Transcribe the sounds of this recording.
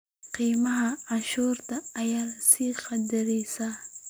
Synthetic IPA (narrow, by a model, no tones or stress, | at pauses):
qiːmɐɦɐɑnʃuːrt̪ʰɐːjaːsiːqɑd̪ɪɾɛjsa